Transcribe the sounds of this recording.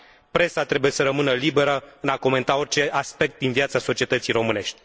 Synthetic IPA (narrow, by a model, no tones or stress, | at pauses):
pɾe̞sat̪ɾe̞buje̞səɾəmɨnəlibe̞ɾəɨnako̞me̞nt̪ao̞rt͡ʃe̞ʔaspe̞k̚t̪̚d̪invjat̪saso̞t͡ʃie̞t̪ət̪sijɾo̞mɨne̞ʃt̪ʲ